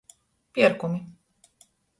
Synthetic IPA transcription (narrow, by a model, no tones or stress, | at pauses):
piɛɾkumi